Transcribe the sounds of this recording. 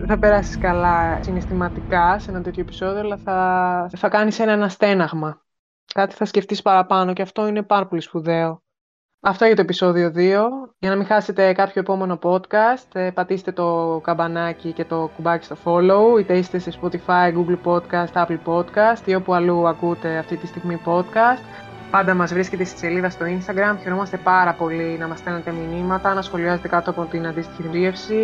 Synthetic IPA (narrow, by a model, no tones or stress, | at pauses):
θɐpe̞ɾɐsi̥skɐlɐsinest̪imɐt̪ikɐseenɐt̪e̞t̪çoe̞pi̥so̞ðioalɐθɐθɐkɐnise̞nɐenɐst̪e̞nɐɣmɐ | kɐt̪i̥θɐsce̞ft̪ispɐɾɐpɐno̞ceɐft̪o̞ine̞pɐɾɐpo̞lispuðe̞o̞ | ɐft̪oejɐt̪oepiso̞ðio̞ðio̞ʝɐnɐmĩxɐse̞t̪e̞kɐpço̞epo̞me̞no̞po̞t̪kɐst̪pɐt̪ise̥t̪et̪o̞kɐbɐnɐcice̞t̪o̞kubɐci̥st̪o̞fo̞lo̞uit̪eiset̪esespot̪ifɐiɡuɡlpo̞t̪̚kɐst̪ɐplpo̞t̪kɐst̪io̞puɐluɐkut̪e̞ɐft̪it̪ist̪iɣmipo̞t̪kɐst̪ | pɐnd̪ɐmɐzvɾisce̞t̪e̞st̪i̥se̞liðɐst̪o̞inst̪ɐɡɾɐmçe̞ɾo̞mɐst̪e̞pɐɾɐpo̞linɐmɐst̪enet̪e̞minimɐt̪ɐnɐsxo̞liɐze̞t̪ekɐt̪oɐpo̞t̪inɐnd̪ist̪i̥çiɾie̞fsi